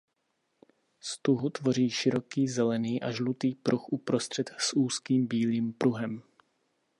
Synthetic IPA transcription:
st̪uɦut̪vo̞r̝iːʃɪɾo̞kiːzɛlɛniːʔaʒlut̪iːpɾuxʔupɾost̪r̝̥ɛt̪suːskiːmbiːliːmpɾuɦɛm

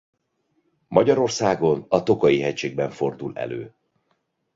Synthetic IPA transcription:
mɒɟɒɾo̞rsaːɡo̞nɒt̪o̞kɒjiɦɛct͡ʃeːɡ̚bɛɱfo̞rd̪ulɛ̰lø̰ː

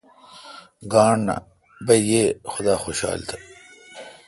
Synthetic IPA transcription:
ɡaːɳna̰ | bɐjjeːxʊd̪aːxoɕa̰ːlt̪ʰɐ

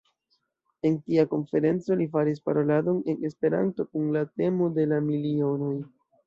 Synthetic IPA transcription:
e̞ntiako̞nfe̞ɾe̞nt͡so̞lifaɾis̬paɾo̞lado̞ne̞ne̞spe̞ɾa̰nto̞kunlate̞mode̞lamilio̞noj

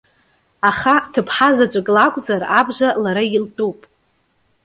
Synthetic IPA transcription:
aχatʰɨpʰħazat͡ʃʷʼakʼlakʷʼzarabʒalaɾailtʼupʼ

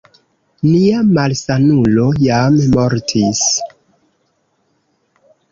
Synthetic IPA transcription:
niamalsanulo̞jammo̞ɾtʰis

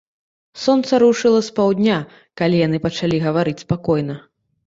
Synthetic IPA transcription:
sɔnt̪sɐɾuʂɨlˠɐspawd̪ʲnʲa | kalʲijanɨpɐt͡ʂalʲiɣɐvaɾɨt͡sʲspakɔjn̪ɐ

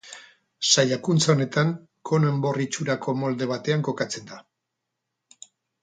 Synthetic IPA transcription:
sajakunt͡saone̞t̪aŋ | ko̞ne̞mbo̞rit͡ʃuɾako̞mo̞ld̪e̞β̞at̪e̞aŋko̞kat͡se̞nd̪a

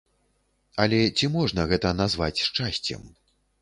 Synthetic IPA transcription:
ɐlʲɛt͡sʲimɔʐnɐɣɛt̪ɐnazvat͡sʲʂt͡ʂasʲt͡sʲɛ̰m

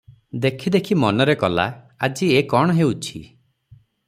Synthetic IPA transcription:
d̪ekʰid̪ekʰimɔnɔɾekɔla̰ | ad͡ʒiekɔɽ̃ɔɦeut͡ʃʰḭ

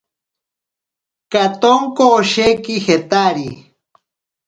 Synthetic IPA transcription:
kat̪oŋkoːʃekixet̪aɾi

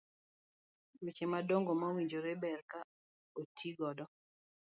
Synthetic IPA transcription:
wet͡ʃemadoŋɡomawiɲd͡ʒoɾebɛrka | otʰiɡɔdɔ

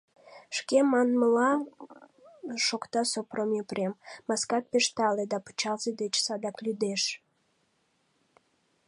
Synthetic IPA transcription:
ʃkemɑnməlɑ | ʃokt̪ɑsopromʲipremːɑskɑt̪̚peʃt̪ɑled̪ɑpə̥t͡ɕɑlzed̪et͡ɕsɑd̪ɑklʲyd̪eʃ

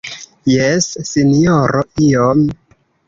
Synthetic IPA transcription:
jesːinijoɾoiom

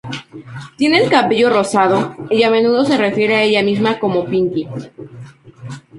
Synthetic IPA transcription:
t̪je̞ne̞ːlkapeʝo̞ro̞sað̞o̞iame̞nuðo̞s̬e̞re̞fje̞ɾe̞ae̞ʝamizmako̞mo̞piŋki

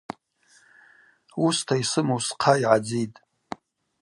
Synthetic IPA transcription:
ustʰaisɨmowsqʰaiʕad͡zitʼ

